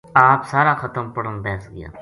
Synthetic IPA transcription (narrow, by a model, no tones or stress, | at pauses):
aːpsaːɾaxɐt̪əmpɐɽəmbɛːsɡɐ̰ja̰ː